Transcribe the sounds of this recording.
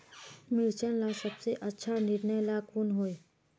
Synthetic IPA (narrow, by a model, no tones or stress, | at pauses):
mɪlt͡ʃənlasəbseʔɐtːʃʰanɪɾnəjlaːkʊnɦoːe